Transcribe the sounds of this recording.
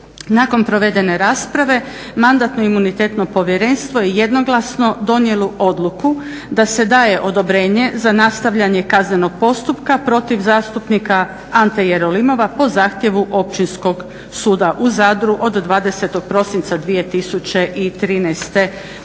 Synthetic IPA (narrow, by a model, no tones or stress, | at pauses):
nako̞npɾo̞ʋe̞d̪e̞ne̞ɾaːspɾaʋe̞ | mand̪at̪no̞imunit̪e̞ːt̪no̞po̞ʋjeɾe̞ːnst̪ʋo̞jejed̪no̞ɡlˠasno̞d̪o̞njeloʔo̞d̪lˠuku | d̪ase̞d̪aːje̞ʔo̞d̪o̞bɾe̞ːɲe̞zanast̪aʋʎaɲe̞kazne̞no̞ɡ̥̚po̞st̪upkapɾo̞t̪iʋzaːst̪upnika | ant̪ejeɾo̞limo̞ʋapo̞zaːxt̪je̞ʋuʔo̞p̚t͡ɕinsko̞ɡ | suːd̪aʔuzaːd̪ɾuʔo̞d̪ːʋaːd̪e̞se̞t̪o̞ɡ̚pɾo̞sint̪sad̪ʋije̞t̪isut͡ɕe̞ʔit̪ɾiːnɛst̪e̞